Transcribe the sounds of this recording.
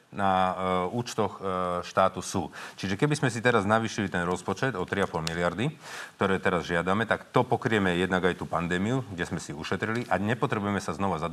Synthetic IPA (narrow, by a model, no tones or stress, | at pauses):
nauːt͡ʃt̪ɔxʃt̪aːt̪usuːt͡ʃiʒɛkɛbizmɛs̬it̪ɛɾaznaʋiːʃilit̪ɛnɾɔspɔt͡ʃɛd̪ɔt̪ɾiapɔlmilɪaɾd̪ikt̪ɔɾɛːt̪ɛɾazʒɪad̪amɛt̪akt̪ɔpɔkɾiɛmɛjɛd̪naɡajt̪uːpand̪ɛːmiuɡɟɛszmɛsiuʃɛt̪ɾiliʔaɲɛpɔt̪ɾɛbujɛmɛsaznɔʋazad̪